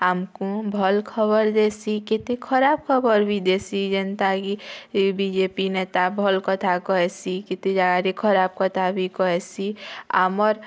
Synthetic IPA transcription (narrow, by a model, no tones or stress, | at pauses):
amkũbʱəlkʰəbəɾd̪eːsikɪt̪ekʰəɾaːb̚kʰəbəɾbʱid̪esid͡ʒənt̪akibid͡ʒeːpineːt̪abʱəlkət̪ʰakɔɛsikɪt̪ẽd͡ʒaɡaɾikʰəɾaːb̚kət̪ʰabʱikɔɛsia̰mɔɾ